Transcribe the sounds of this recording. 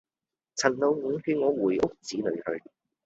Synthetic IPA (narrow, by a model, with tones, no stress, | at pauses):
t͡sʰɐ˨˩nlo˨˧wŋ̩ː˨˥ŋhi˧ŋɔː˨˧wuː˨˩jʔʊ˥k̚t͡siː˨˥lɵ̰˨˧ɥhɵ̰˧ɥ